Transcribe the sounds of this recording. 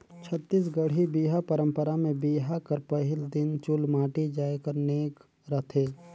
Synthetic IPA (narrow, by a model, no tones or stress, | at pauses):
t͡ʃʰət̪ːisɡəɽ̤ibiːɦapəɾə̃mpəɾamẽbiːɦakəɾpəɦɪld̪ɪnt͡ʃʊlmaːʈid͡ʒaːjkəɾneːk | ɾət̪ʰeː